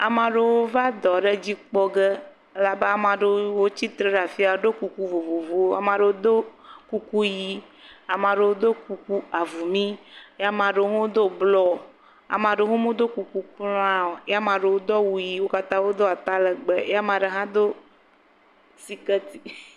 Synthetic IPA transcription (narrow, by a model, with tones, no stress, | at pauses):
a˨mã˨ɖe˦˨wo˦va˦d̪ɔ˨ɖə˦d͡ʑi˦k͡pɔ˦ɡə˦ | e˦la˨be˦a˨mã˨ɖe˨wo˦t͡ɕi˦t̪ɾe˦ɖa˨fi˦a˨˦ɖo˦ku˨ku˦vo˨vo˨vo˨˦wo˦a̰˨m˦ã˨ɖe˨wo˦d̪o˦ku˦ku˦ji˨˦ | a˨mã˨ɖe˨wo˦d̪o˦ku˨ku˦a˨vu˨mĩ˦a˦mã˨ɖe˨wo˦ŋo˦o˦d̪o˦blɔ˦ | a̰˨m˨ã˨ɖe˨˦ɦo˦mõ˦d̪o˦ku˨ku˦k͡plɔ̃˦ã˦o˨e˦a˦mã˨ɖe˨wo˦d̪ɔ˦wu˨ji˨wo˦ka˦t̪ã˦wo˦d̪o˦a˨t̪a˦lə˨ɡ͡be˨e˦a˦mã˨ɖə˨ɦã˦d̪o˦ | si˨kə˦t̪i̥˨